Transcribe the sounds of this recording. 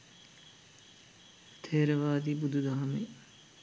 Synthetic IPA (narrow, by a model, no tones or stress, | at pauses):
t̪ʰeːɾɐʋaːd̪ibud̪ʱud̪aɦɐme